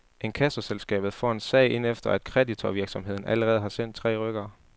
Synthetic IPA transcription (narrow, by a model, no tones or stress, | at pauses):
ʔe̝nkʰæsɐselsɡ̥ɛ̰ːb̥ð̩ˠfɒ̰ːe̝nsɛ̰ɪʔe̝n̰efd̥ɐæd̥kʰʁɛdit͡sʰoʋiɐɡ̥sɒ̽mɦe̝ð̰ˠn̩ʔæləʁɛːð̞̩ˠɦɑ̈sen̰d̥t͡sʰʁɛ̰ːʁœɡ̥ɐː